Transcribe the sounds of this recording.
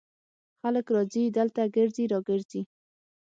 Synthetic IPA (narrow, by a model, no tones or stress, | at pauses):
xaləkɾɑzid̪əlt̪aɡəɾziɾɑɡəɾzi